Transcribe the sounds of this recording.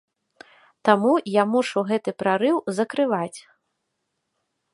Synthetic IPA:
t̪amujamuʂuwɣɛt̪ɨpɾaɾɨwzɐkɾɨvat͡sʲ

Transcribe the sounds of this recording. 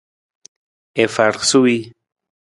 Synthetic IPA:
efaɾχsui

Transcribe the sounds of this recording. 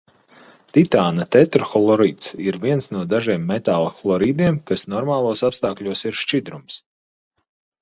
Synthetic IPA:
t̪it̪aːnat̪ɛt̪ɾxɔlˠɔɾiːt̪siɾviɛnsnuɔd̪aʒiɛmːɛt̪aːlˠxlˠɔɾiːd̪iɛmkasnɔɾmaːlˠuɔsapst̪aːkʎʲuɔsiɾʃt͡ʃid̪ɾums

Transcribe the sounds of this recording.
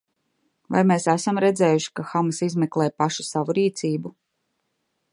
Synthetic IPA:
va̰jmeːsæsamɾɛd̪zɛːjuʃi̥kaxamasizmɛklˠɛːjpaʃu̥savuɾiːt̪sʲiːbu

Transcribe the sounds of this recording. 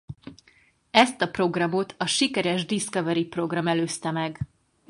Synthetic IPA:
ɛst̪ɒpro̞ɡrɒmo̞t̪ʰɒʃikɛɾɛʒd̪iskɒvɛɾipro̞ɡrɒmɛløːst̪ɛmɛɡ

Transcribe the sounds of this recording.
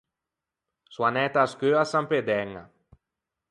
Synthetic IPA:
suanɛt̪askøasamped̪ɛŋa̰

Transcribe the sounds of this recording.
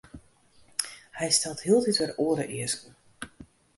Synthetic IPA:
hɛjstɛlˠthiəlˠtitʋɛroəɾə̰ʔɪəskn̩

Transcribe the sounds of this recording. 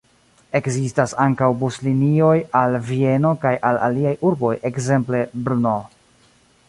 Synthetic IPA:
e̞kzistasaŋkawbuslinio̞jalvie̞no̞kajʔala̰liajʔuɾbo̞jʔe̞kze̞mple̞bɾuno

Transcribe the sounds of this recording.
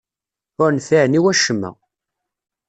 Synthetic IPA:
ʊɾnθiʕniwæʃəmːæ̰

